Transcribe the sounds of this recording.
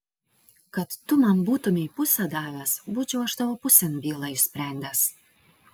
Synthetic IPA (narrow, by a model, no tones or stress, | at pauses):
kɐt̪ːʊmɐmbuːt̪ʊmʲɪipʊsʲɐd̪ɑːʋʲæsbuːt͡ʃʲʊɐʒd̪ɐʋoːpʊsʲɛnbʲiːlˠɑɪʃʲsʲpʲɾʲæˑnʲd̪ʲɛs